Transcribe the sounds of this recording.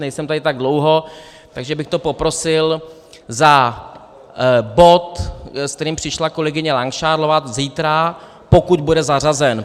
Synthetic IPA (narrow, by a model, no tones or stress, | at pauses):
nɛjsɛmt̪adɪt̪aɡ̚dlo̞wɦo̞ | t̪aɡʒɛbɪxt̪o̞po̞pɾo̞sɪl | za | bo̞t̪skt̪ɛɾiːmpr̝̥ɪʃlako̞lɛɡɪɲɛlaŋkʃaːɾlovat̪ziːt̪ɾa | po̞kud̪budɛzar̝azɛn